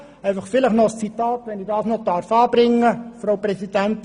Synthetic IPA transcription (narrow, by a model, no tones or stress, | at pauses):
ɛɪfɑχfɪləχnɔst͡sit̪ɑːt̪ʋɛnɪdɑːsnɔdɑɾfɑːb̥ɾɪŋːəfrowprɛsid̥ænt̪